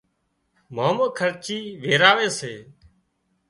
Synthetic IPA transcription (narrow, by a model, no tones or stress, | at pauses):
maːməːkʰəɾt͡ʃiːʋeːɾaːʋeːseː